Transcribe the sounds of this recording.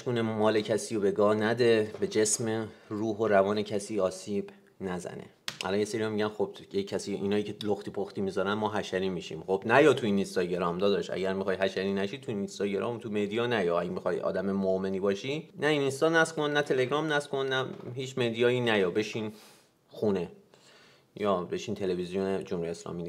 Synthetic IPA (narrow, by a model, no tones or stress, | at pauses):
hiʃɡuːnemɒːle̞cʰæsiːjobe̞ɡɒːhnæd̪ebe̞d͡ʒe̞smeruːɦoɾævɒːne̞cʰæsiːɒːsiːb̥ | næzæ̰nḛʔæ̰lɒːnjeseɾiamiɟænxob̥ekʰːæsiːʔinɒːjiːcʰeloxt̪ʰiːpʰoxt̪iːmizɒːɾænmɒːɦæʃæɾiːmiʃḭːmxobnæjɒːt̪ʰuinist̪ɒɟeɾɒːmd̪ɒːd̪ɒʃæ̰ɟæɾmixɒːjɦæʃæɾiːnæʃiːt̪ʰuninst̪ɒːɟe̞ɾʔɒ̰ːmt̪ʰumed̪ijɒːnæjɒæɟmixɒjɒ̰ːd̪æmemomeniːbɒːʃinæininst̪ɒːnæskonːæt̪ʰe̞le̞ɡɾɒːmnæskʰonːæɦiːt͡ʃʰmed̪ijɒːjinæjɒːbe̞ʃiːn | xune | jɒːbe̞ʃiːnt̪ʰe̞levizijoned͡ʒomhujeeslɒ̰ːmiːni